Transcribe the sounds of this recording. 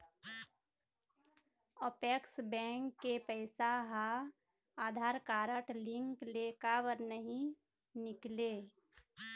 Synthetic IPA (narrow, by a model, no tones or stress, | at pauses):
ɔpeksbɛ̃ːŋkːepɛːɪsaɦa | aːd̪ʱaːɾkaːɾəʈlɪ̃ŋkleːkabəɾnəɦĩ | nɪkleː